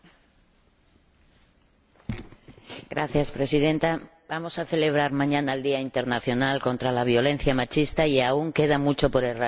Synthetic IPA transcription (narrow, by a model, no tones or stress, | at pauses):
ɡɾaθjaspɾe̞siðe̞nt̪abamo̞saθe̞le̞β̞ɾaɾmãɲãnaeld̪iaint̪e̞ɾnaθjo̞nalko̞nt̪ɾalaβ̞jo̞lẽ̞n̟θjamat͡ʃist̪aiauŋke̞ð̞amut͡ʃo̞po̞ɾera